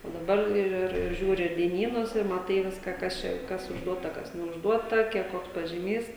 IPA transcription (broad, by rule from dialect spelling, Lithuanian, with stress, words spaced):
oː dɐˈbɐr ɪr ɪr ˈʒʲuːrʲɪ dʲiɛˈnʲiːnʊs ɪr mɐˈtɐɪ ˈʋʲɪskɐ ˈkɐs t͡ʃʲɛ ˈkɐs ʊʒˈduɔtɐ ˈkɐs nʲɛʊʒˈduɔtɐ ˈkʲiɛk ˈkoːks pɐʒʲiːˈmʲiːs